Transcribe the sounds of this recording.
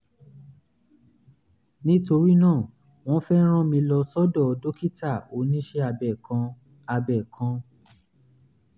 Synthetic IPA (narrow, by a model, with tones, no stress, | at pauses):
nĩ˦to˧ɾi˦nãː˦˨ | w̃ɔ̃˦fɛ˦ɾ̃ã˦mĩ˧lɔ˧sɔ˦dɔ˦˨˧do˦ki˦ta˦˨o˨˦nĩ˦ʃe˦a˧bɛ˨kã˧ | a˧bɛ˨kʰã˧˦